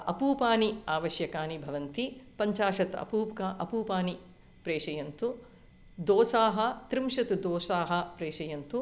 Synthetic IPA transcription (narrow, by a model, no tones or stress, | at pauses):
ɐ̰puːpaːniaːʋɐʃjɐkaːnibʱɐʋɐnt̪ipɐɲt͡ʃaːʂɐt̪ɐ̰puːpkaʔɐpuːpaːni | pɾeːʂɐjɐnt̪u | d̪oːsaːɦɐt̪ɾimʃɐt̪d̪oːsaːɦɐ̆pɾeːʂɐjɐnt̪u